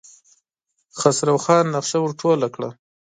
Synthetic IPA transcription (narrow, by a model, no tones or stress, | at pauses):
xasɾawxɑːnːaqʃawʊɾʈʰolakɽa̰